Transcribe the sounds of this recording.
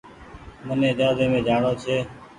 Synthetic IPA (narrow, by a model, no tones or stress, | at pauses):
mənẽːd͡ʒaːzeːmẽːd͡ʒaːɳoːt͡ʃʰeː